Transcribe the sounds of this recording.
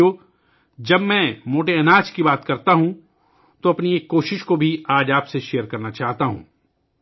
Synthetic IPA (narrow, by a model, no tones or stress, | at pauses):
oː | d͡ʒɐbmɛ̃moːʈeɐnaːt͡ʃkibaːt̪kɐɾt̪aɦũ | t̪oɐpnieːkːoːʃɪʃkobʱiaːd͡ʒaːpseʃejəɾkɐɾnat͡ʃaːɦt̪aɦṵ̃ː